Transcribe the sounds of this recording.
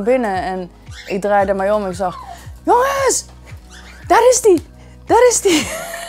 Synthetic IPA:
bɪnəɛn | ʔɪk̚drajdəmɛjomɪksaxjoŋəs | d̥ɔɾɪsdi | d̥ɔɾɪsdi

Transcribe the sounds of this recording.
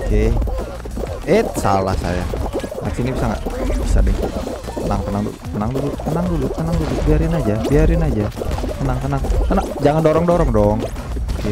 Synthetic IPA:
ke | et̪̚sala̰hsa̰ja̰ŋa̰sinibisaŋɡa̰ʔbisa̰dɛŋ | t̪ənaŋp̪ənaŋdṵp̪ənaŋdulup̪ənaŋdulut̪ənaŋdulubiaɾɪnad͡ʒabiaɾɪnad͡ʒat̪ənaŋt̪ənaŋt̪ənaŋd͡ʒaŋandoɾɔŋdoɾɔŋdɔŋ | ke

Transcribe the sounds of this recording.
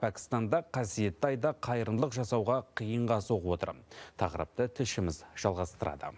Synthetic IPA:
pʰækʲɪ̥st̪ɑnd̪ɑqʰɑsije̞t̪ːɪɑjd̪ɑqʰɑjɾənlˠəqʒɑsɑwʁɑqʰijəɴʁɑso̞qəwo̞t̪ə̰ɾt̪ʰɑqəɾə̰p̚t̪ət̪ʰɪʃɪmɪzʒ̥ɑlˠʁɑst̪əɾʔɑ̰d̪ə̰

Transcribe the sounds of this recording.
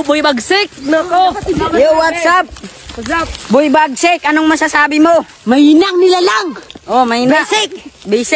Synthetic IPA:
bʊjbaɡsɪk̚ | jowat̪sap̚ | bʊjbaɡ̚sɪkʔɐnoŋmɐsasaːbɪmo | mɐinaŋnɪlalaŋʔomɐinasɪk̚bisɪ

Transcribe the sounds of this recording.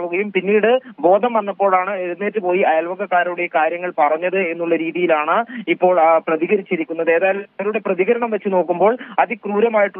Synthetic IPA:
ɭuɣɐjumpinːiːɽɨbo̞ːd̪ʱɐmʋɐnːɐpːo̞ːɭaːɳɨeɾunːe̞ːtːɨpo̞ːjiɐjɐlʋɐɡɐkːaːɾɐjuɽejɐkaːɾjɐŋːɐɭpɐrɐɲːɐðɨe̞nːuɭːɐɾiːðijilaːɳɨipːo̞ːɭprɐðiɣɐɾit͡ɕːiɾikʲːunːɐðe̞ːðaːjilɐmɐʋɐɾuɽe̞prɐðiɣɐɾɐɳɐmʋɐt͡ɕːɨno̞ːkːumbo̞ːɭɐðikruːɾɐmaːjiʈːu

